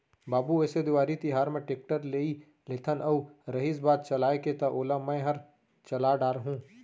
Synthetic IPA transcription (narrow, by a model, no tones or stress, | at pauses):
baːbuɛːsed̪ʊʋaːɾit̪ɪɦaːɾmẽʈeːk̚ʈəɾleːi | let̪ʰənɐuɾɐɦiːsbaːd̪̚t͡ʃɐlaːeket̪ɐʔoːlamɛ̃ɦɐɾ | t͡ʃɐlaːɖaːɾɦũː